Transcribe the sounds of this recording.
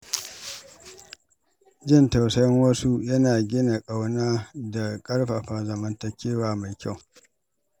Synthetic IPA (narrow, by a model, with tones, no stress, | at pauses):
d͡ʒɪ˦˨nta˨wsɐ˦jɐ˦ŋwɐ˦su˦jɐ˦naː˨ɡʲɪ˦na˨kʼa˦wnaː˦da˨kʼɐ˦ɽɸa˨ɸa˨zɐ˨mɐ˦ntɐ˦kʲeː˦waː˨ma˨jkʲa˦˨w